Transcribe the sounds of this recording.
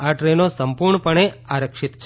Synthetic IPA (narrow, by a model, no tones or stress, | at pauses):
aʈɾenosəmpuɾɳəpəɳ̃eaɾəkʃɪt̪t͡ʃʰ